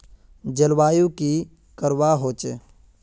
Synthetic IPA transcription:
d͡ʒəlʋaːjũki | kəɾʋaːɦoːt͡ʃe

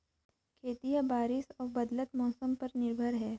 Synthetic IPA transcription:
kʰeːt̪ijabaːɾɪsɔːɾbɐd̪lət̪mɔːsəmpɐɾnɪɾbʱəɾɦɛː

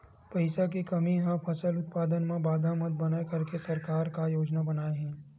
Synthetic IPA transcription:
pɐɪsak̬ekɐmiɦãpʰɐsəlʊt̪̚paːd̪ənmẽbaːd̪ʱamət̪̚bɐnaekɐɾkesɐɾkaːɾkajoːd͡ʒnabɐnaːeɦɛ̃ː

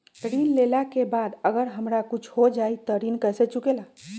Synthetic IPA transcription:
ɾinlelakebad̪əɡəɾɦəmɾakut͡ʃʰɦod͡ʒait̪ɔɾinkəset͡ʃukela

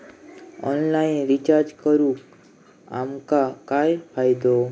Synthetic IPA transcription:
ɔ̰nlainɾit͡ʃaɾd͡ʒkəɾũk | a̰mkakajfajd̪o

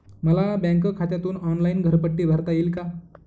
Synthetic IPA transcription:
məlabãŋkəkʰat̪jat̪uːnɔnlainɡʱəɾpəʈːiːbʱaɾt̪ajiːlka

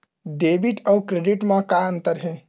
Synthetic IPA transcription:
ɖebiʈəukɾeɖiʈmãkaənt̪əɾɦẽ

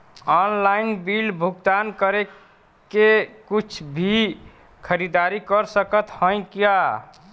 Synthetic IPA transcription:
ɔnlainbilbʱuɡt̪ankəɾe | kekut͡ʃʰbʱi | kʰəɾid̪aɾikəɾsəkət̪hə̃j̃kja

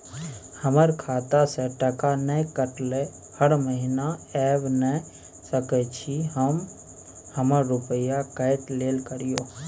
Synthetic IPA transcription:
həməɾkʰaːt̪aseʈəkanɛkəʈle | həɽməɦɪnaɛːʋnɛ | səkɛt͡ʃʰiɦəm | həməɾːʊpəjakəɪt̪leːlkəɾijoː

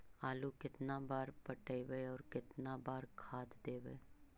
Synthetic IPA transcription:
aːlukɪt̪nabaːɾpɐʈəiʋeːɔːɾkɪt̪nabaːɾkʰaːt̪d̪eːʋeː

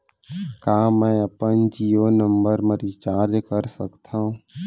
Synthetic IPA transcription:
kaːmɛ̃ːəpənd͡ʒiːoːnəmbəɾməɾit͡ʃaːɾd͡ʒkəɾsəkt̪ʰãːɦũː

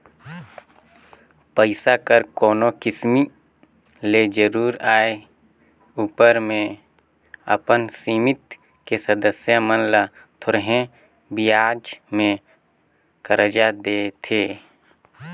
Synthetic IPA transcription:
pəɪsakəɾkɔːnokɪsmi | led͡ʒəɾuːɾaːe | uːpəɾmẽ | ə̰pənsiːmɪt̪ | kesəd̪əsjamənla | t̪ʰoɾɦẽ | biaːd͡ʒmẽ | kəɾəd͡ʒad̪eːt̪ʰeː

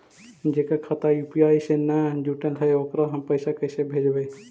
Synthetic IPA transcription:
d͡ʒekakʰat̪ajupiajsenad͡ʒuʈəlɦəjokɾɔɦəmpəjsakəjsebʱed͡ʒbəj

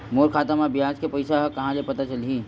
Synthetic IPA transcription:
moːɾkʰaːt̪əmabɪjaːd͡ʒkepɐɪsaɦkɐɦãlepɐt̪at͡ʃɐlɦiː

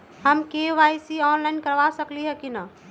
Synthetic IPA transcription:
ɦəmkeʋaːjsiɔːnlaɪnkəɾʋasəkliɦɛkina

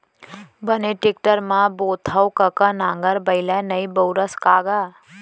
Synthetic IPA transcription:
bəneʈɪk̚ʈəɾmãboːt̪ʰəwkəkanãːŋɡəɾbəɪlanɐibowɾəskaːɡaː

